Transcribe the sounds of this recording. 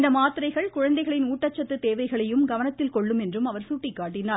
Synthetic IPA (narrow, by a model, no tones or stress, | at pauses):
nd̪ɐmaːt̪ɪɾɐɪɣɐɭkʊɻɐnd̪ɐɪɣɐɭɪnuːʈːɐt͡ʃːɐt̪ːɯt̪eːʋɐɪɣɐɭɐjɯmɡɐʋɐnɐt̪ːɪlkɔɭːɯmɛndrɯmɐʋɐɾsuʈːikːaːʈːɪnaː